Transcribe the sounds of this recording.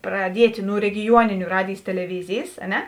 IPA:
prɐˈdʲiɛtʲ nʊ rʲɛɡʲɪˈjuɔnʲɪnʲʊ ˈrɑːdʲeːjs tʲɛlʲɛˈʋʲɪzʲeːjs ɐ ˈnʲɛ

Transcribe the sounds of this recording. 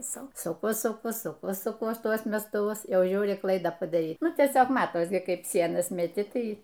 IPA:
ˈsʊ sʊˈkʊ sʊˈkʊ sʊˈkʊ sʊˈkuɔs ˈtuɔs mʲɛstʊˈʋʊs ˈjɛʊ ˈʒʲuːrʲɪ ˈklˠɐɪdɑː pɐdɐˈrʲiːk ˈnʊ tʲiɛˈsʲoːk ˈmɑːtoːs ˈkɐɪp ˈsʲiɛnɐs mʲɛˈtʲɪ ˈtɐɪ

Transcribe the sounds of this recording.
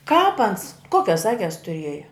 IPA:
kɑːp ɐns ˈkuɔkʲɛs ˈɑːkʲɛs tʊˈrʲiɛjɛ

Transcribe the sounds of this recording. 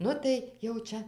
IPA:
ˈnʊ tɐɪ jɛʊ ˈt͡ʃʲɛ

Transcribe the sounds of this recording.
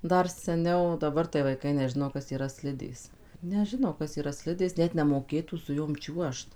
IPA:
ˈdɐr sʲɛˈnʲɛʊ dɐˈbɐr tɐɪ ʋɐɪˈkɐɪ nʲɛˈʒʲɪnoː ˈkɐs iːˈrɐ ˈsʲlʲɪdʲeːs nʲɛˈʒʲɪnoː ˈkɐs iːˈrɐ ˈsʲlʲɪdʲeːs ˈnʲɛt nʲɛmoːˈkʲeːtuː sʊ ˈjoːm ˈt͡ʃʲuɔʃt

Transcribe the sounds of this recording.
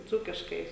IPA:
ˈd͡zuːkʲɪʃkɐɪ

